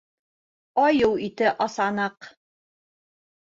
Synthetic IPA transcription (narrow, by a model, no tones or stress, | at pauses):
ɑjɤwit̪ɘʔɑsɑnɤq